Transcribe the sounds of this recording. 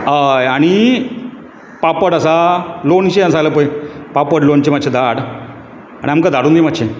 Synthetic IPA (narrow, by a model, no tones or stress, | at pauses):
əjaɽ̃i | papəɽəsalont͡ɕeəsaɡləpəjpapəɽlont͡ɕematːɕʰed̪aɽ | a̰ɽiamkad̪ʱaɽuːnd̪iemat̪ːɕʰe